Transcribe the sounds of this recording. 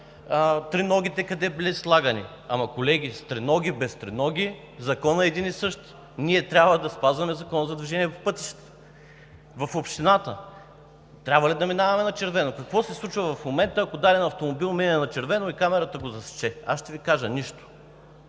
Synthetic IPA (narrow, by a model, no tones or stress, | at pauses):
t̪ɾinɔɡ̟ʲit̪ɛkɐd̪ɛbilislˠaɡənḭ | amɐkolɛɡʲist̪ɾɛnɔɡʲibɛst̪ɾɛnɔɡʲi | zɐkɔnɐɛd̪inisɤʃt̪ | niɛt̪ɾʲabvəd̪ɐspazvɐmɛzɐkɔnəzɐd̪viʒɛniɛpopɤt̪i̥ʃt̪ɛ̥ | vɐfopʃt̪inat̪ə̰ | t̪ɾʲabvɐlid̪ɐminavɐmɛnɐt͡ʃɛɾvɛnokɐkvɔsɛslˠut͡ʃvəvɐfmomɛnt̪əːkod̪aɾɛnɐft̪omobilˠminʲɛnɐt͡ʃɛɾvɛnoikamɛɾɐt̪əɡozɐst͡ʃɛasʃt̪ɛvikaʒəniʃt̪o̥